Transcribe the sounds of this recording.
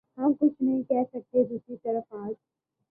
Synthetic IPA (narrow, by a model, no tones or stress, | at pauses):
ɦɐmkʊt͡ʃʰnəɦĩkɛɦsɐk̚t̪ed̪ʊsit̪ɐɾəfaːd͡ʒ